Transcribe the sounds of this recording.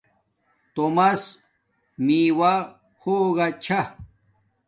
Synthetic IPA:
t̪omas | miːwa | xoːɣat͡ɕʰa

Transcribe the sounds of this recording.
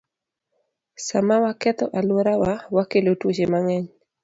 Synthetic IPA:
samawakɛt̪ɔʔalwoɾawawakelotwot͡ʃemaŋɛɲ

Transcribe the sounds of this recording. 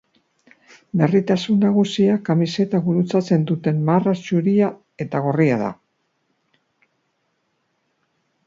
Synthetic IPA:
be̞rit̪asunːaɣ̞usiakamise̞t̪aβuɾut͡sat͡se̞nd̪ut̪e̞nmarasuɾia | e̞t̪aɣ̞oriaða̰

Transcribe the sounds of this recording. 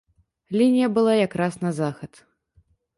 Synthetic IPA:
lʲinʲijɐbɨlˠajakɾasnɐzaxɐt̪

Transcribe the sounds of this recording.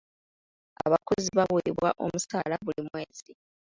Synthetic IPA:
a̰βakoziβaβweβwaʔo̞musaːlaβulimwe̞ːzi

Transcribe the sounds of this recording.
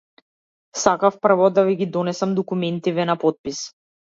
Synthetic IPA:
sakafpr̩vɔd̪aviɡid̪ɔnɛsamd̪ɔkumɛnt̪ivɛnapɔt̪̚pis

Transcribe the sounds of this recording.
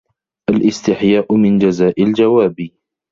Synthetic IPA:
ʔalʔɪst̪ɪħjaːʔʊmɪnd͡ʒazaːʔɪld͡ʒawaːbiː

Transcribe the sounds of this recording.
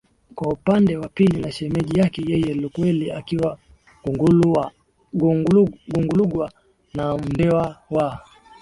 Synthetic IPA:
kwaupandɛwapilinaʃɛmɛʄijakɛjɛjɛlukwɛliakiwa | ɡ | ɡuŋɡuluɡwa | nam̩ndɛwawa

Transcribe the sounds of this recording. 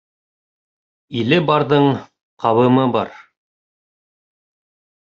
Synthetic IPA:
ilɘbɑɾðɤɴ | qʰɑβɤ̆mɤbɑ̰ɾ

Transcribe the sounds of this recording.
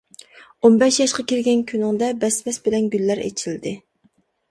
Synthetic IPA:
onbɛʃjɑʃqɑkʲiɾɡʲɛnkʲʰynɪŋd̪ɛbɛsbɛsbɪlɛnɡʲylːæɾḛt͡ʃʰild̪ɪ

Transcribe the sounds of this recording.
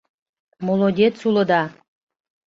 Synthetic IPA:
molˠod̪ʲet̪sulˠɤ̆d̪ɑ

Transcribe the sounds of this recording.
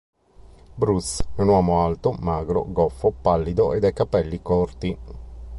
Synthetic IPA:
bɾusɛunwɔːmoalt̪omaːɡɾo̰ɡɔfːopalːid̪oʔed̪ajkapɛlːikɔrt̪i

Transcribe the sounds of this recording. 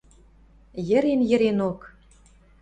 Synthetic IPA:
jə̆ɾenjɘ̆ɾenok

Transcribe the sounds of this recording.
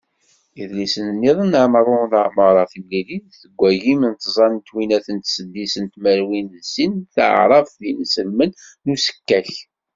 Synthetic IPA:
iðlisənənːiðˤənəʕmɾˤonθəʕməɾˤɑθəlːilinθəɡʷːæjimənt̪zˤɑnnt̪winæθənt̪səd̪ːisənt̪mæɾwinðsinθə̰ʕɾˤɑfðinəsəlmənː | usə̥kːæç

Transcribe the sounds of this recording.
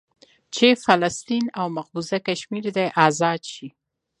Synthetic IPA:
t͡ʃefalast̪inawmaɣbuzakaʃmiɾd̪ajʔazɑd̪ʃi

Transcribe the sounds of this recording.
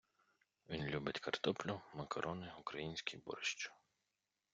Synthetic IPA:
ʋʲinlʲubɪtʲkɐrt̪ɔplʲʊmɐkɐɾʔɔnɪukɾɐjinʲsʲkʲijbɔ̰ɾɪʃt͡ʃʊ̥

